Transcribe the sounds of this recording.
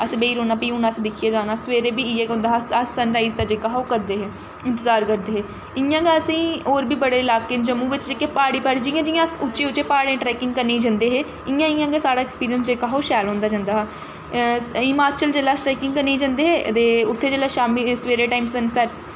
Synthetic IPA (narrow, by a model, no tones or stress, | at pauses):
əsĩːbeiːɾoːnaːpiːʊnaːsd̪ɪkʰijaːd͡ʒaːnaːsʋeːɾeːbiːɪeːɡõːnd̪aːɦəsənɾaːizd̪aːd͡ʒeːkaːɦoːkəɾd̪eːɦeː | ɪ̃nt̪əzaːɾkəɾd̪eːɦeː | ɪãːɡeːəsĩːoːɾbiːbəɽeːɪlaːkeːd͡ʒəmːũːʋɪt͡ʃd͡ʒeːkeːpaːɽiːpaːɽiːd͡ʒɪːjãːd͡ʒijãəsʊt͡ʃeːʊt͡ʃeːpaːɽẽːʈɾɛːkɪŋɡkəɾnĩːd͡ʒə̃nd̪eːɦeː | ɪjãːɪjãːɡeːsaːɽaːɛkspiːɾijənsd͡ʒeːkaːɦoːʃɛːlɦõːnd̪aːd͡ʒãːnd̪aːɦɛː | ɪmaːt͡ʃəld͡ʒeːlaːsʈɾaːkɪ̃ŋɡkəɾniːd͡ʒãnd̪eːɦeːt̪eːʊt̪ʰːeːd͡ʒeːlaːʃaːmisʋeːɾeːʈaːimsənsɛʈ